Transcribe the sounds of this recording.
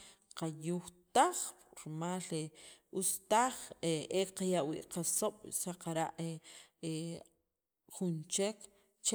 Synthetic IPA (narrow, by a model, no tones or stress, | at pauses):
qajuxt̪aχɾmaːleust̪aχeʔeqajaʔwḭːʔqasoɓ̥saqaɾaʔee | χunt͡ʃek | t͡ʃ